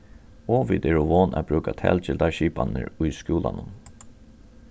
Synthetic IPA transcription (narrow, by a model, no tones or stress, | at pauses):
oːʋid̪ɛːɹʊʋoːnʔabɾʉːkat̪ʰɛ̰ːlt͡ʃɪld̪aʃiːpanɪ̰ɾʊjskjuːlanʊm